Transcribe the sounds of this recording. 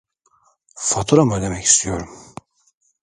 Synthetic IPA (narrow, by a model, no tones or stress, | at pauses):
fat̪ʰuɾamad̪emɛci̥st̪ʰijo̞ɾum